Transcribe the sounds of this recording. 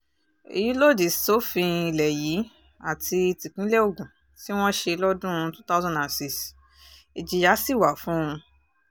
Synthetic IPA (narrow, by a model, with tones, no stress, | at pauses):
ḭ˨ji˨˦lo˦˨d͡ʒi˨sto˨˦fĩ˧i˧lɛ˨ji˨˦ | a˦˨tʰi˧i˧ti˨kĩ˨˦lɛ˦o˦˨ɡũ˨ | ti˦w̃ɔ̃˦ʃe˧lɔ˦dũ˦˧˦tũ˦ta˦zɔ̃˦nda˨si˦s | i˨d͡ʒi˨ja˨˦si˦˨wa˨fũ˦ũ˧